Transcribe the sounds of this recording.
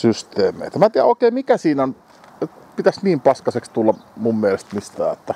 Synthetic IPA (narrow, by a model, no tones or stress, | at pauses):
syst̪ˑeːmˑḛˑit̪æmæt̪iæ̰oˑekˑeːmikæsiːnæon | pit̪æsniːmpɑskɑsekst̪ulːɑmummielest̪mist̪æ̰ːet̪ːæ